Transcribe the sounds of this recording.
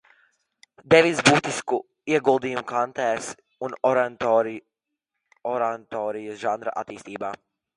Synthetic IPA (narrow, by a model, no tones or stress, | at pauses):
d̪ɛʋizbut̪isku | iɛɡulˠd̪iːumkant̪ɛːs | un | ɔɾant̪ɔːɾijsʒand̪ɾa̰ʔa̰t̪iːst̪iːbaː